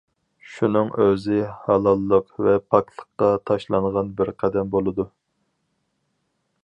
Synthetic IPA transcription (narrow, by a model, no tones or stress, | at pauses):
ʃunɨŋʔøzɪhɑlˠɑlˠːəqvɛpʰɑk̚t̪lˠə̥χqːɑt̪ʰɑʃlˠɑŋʁɑnbɪɾqʰæd̪ɛmbolˠɨd̪u